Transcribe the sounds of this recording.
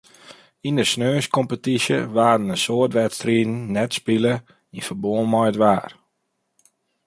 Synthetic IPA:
indəsnøːskɔmpətisjə̰ʋaːdənəsoərtʋɛtstriːdn̩ːnɛtspilə | infərboːənmɔjdʋaːr

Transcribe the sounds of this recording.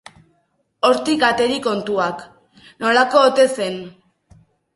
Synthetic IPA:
o̞ɾt̪ikat̪e̞ɾiko̞nt̪uak | no̞lako̞ːt̪e̞se̞n

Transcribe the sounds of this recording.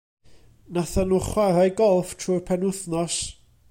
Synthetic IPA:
naθanuχwaɾajɡɔlˠftʰruːpʰɛnʊθnɔs

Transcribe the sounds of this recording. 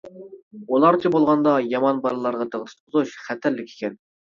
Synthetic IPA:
ulˠɑɾt͡ʃʰɪbolˠʁɑnd̪ɑjɑmɑnbɑɾlˠɑɾʁɑt̪ʰəʁt̪ʰt̪qʰʊzuʃχæt̪ʰæɾlɪkʲʰe̥kʲɛn

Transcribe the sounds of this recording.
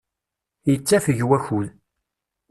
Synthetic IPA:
jət͡sːæfəʝwæçul

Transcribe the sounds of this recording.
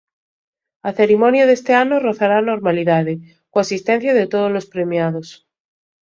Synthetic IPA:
aθeɾimonjaðe̞st̪eanoroθaɾano̞ɾmaliðaðe | koasist̪en̟θjaðet̪oð̞ozlo̞spɾe̞mjað̞o̞s

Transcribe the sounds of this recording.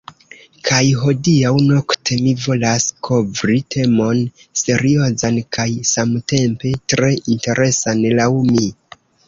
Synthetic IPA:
kʰajɦo̞diawno̞ktʰe̞mivo̞laskʰo̞vɾitʰe̞mo̞nse̞ɾio̞zankʰajsamte̞mpe̞tɾe̞inte̞ɾʔe̞sanlawmi

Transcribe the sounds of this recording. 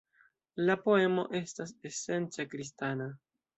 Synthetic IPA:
lapo̞e̞mo̞̰ʔe̞stase̞se̞nt͡sakɾis̬tana

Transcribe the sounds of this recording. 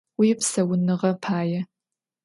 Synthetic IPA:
wipsɐwʊnɨʁɐpʰaːjɛ

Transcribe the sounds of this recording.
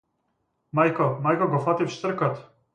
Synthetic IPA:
majkɔmajkɔɡɔfat̪ifʃt̪r̩kat̪

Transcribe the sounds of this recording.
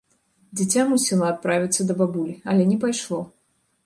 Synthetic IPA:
d͡zʲit͡sʲamusʲilˠɐat̪̚pɾavʲit̪sːɐd̪ɐbabulʲiɐlʲɛnʲɛpajʂlˠɔ

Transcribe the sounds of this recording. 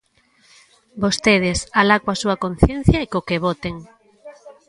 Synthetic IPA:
bost̪eð̞esalakwasuakõn̟θjen̟θjaikokeβot̪eŋ

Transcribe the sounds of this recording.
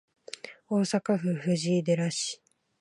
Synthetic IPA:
o̞ːsakaɸɯ̟ɸɯ̟ʑiːd̪e̞ɾaɕi̥

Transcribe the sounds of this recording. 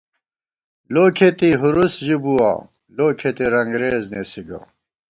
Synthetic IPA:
loːkʰet̪iɦuɾusʑibuwa̰ | loːkʰet̪iɾɐŋɡɾeːznesiɡɐ̰

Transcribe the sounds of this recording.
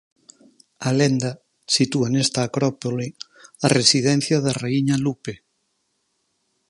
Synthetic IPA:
alend̪a | sit̪uanest̪aːkɾɔpoli | aresiðɛn̟θjaðareiɲalupe

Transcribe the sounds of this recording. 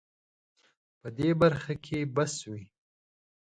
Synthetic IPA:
pəd̪ebaɾxakʰebaswi

